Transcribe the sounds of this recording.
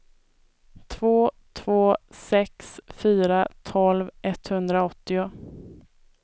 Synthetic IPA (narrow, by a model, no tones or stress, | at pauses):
t̪ʰvoː | t̪ʰvoːsɛksfyːɾat̪ʰɔlvʔɛt̪ːhɵnd̪ɾaɔt̪ːɪʊ